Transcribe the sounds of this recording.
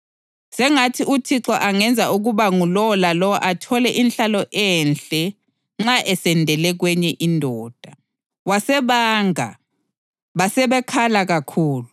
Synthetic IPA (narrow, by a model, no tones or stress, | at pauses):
sɛŋatʰiʔutʰiǁɔʔaŋɛnd͡zʱaʔuɣuβaŋulɔlalɔwʔatʰɔlɛʔinɬalɔʔɛnɬɛ | ŋ͡ǁaʔɛsɛndʱɛlɛɣwɛɲɛʔindʱɔːd̥ʱa | wasɛβaːŋa̰ | βasɛβɛkʰalaɣakʰuːlu